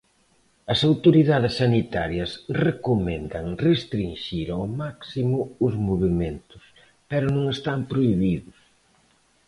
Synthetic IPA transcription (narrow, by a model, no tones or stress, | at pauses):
ɐsawt̪oɾiðaðɪsːanit̪aɾjɐsrekʊmend̪ɐŋrest̪ɾinʃiɾawmaksimʊʊzmoβiment̪ʊ̥s | pɛɾʊnõŋest̪ampɾoiβiðʊs